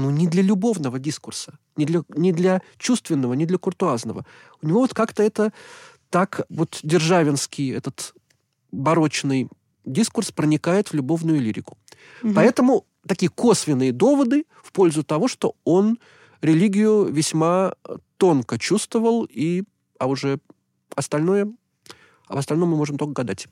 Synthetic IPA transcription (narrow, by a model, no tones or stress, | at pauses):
nunʲɪd̪lʲəlʲʊbo̞vnəvədʲiskʊrsə̥ | nʲɪd̪lʲənʲɪd̪lʲɐt͡ɕust̪vʲɪnːəvənʲɪd̪lʲəkʊrt̪ʊaznəvə̰ | ʊnʲɪvo̞vot̪kakt̪əɛt̪ə | t̪akvo̞t̪dʲɪrʐavʲɪnskʲɪjɛ̰t̪ət̪ | bɐɾo̞t͡ɕnɨj | dʲiskʊrspɾənʲɪkajɪt̪vlʲʊbo̞vnʊjʊlʲiɾʲɪkʊ̥ | pɐɛt̪əmʊ | t̪ɐkʲijəko̞svʲɪnːɨjəd̪o̞vəd̪ɨ | fpo̞lʲzʊt̪ɐvo̞ʂt̪oo̞n | ɾʲɪlʲiɡʲɪjʊvʲɪsʲmat̪o̞nkət͡ɕust̪vəvəlˠi | ɐʊʐɛ | ɐst̪ɐlʲno̞jə | ɐvəst̪ɐlʲnomːɨmo̞ʐɨmt̪okəɡɐd̪atʲ